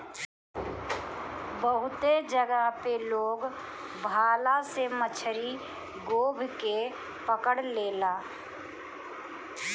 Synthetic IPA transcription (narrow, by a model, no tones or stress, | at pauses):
bəɦʊt̪ed͡ʒəɡəɦpeloːɡ | bʱaːlasemət͡ʃʰəɾi | ɡoːbʱke | pəkəɽleːlaː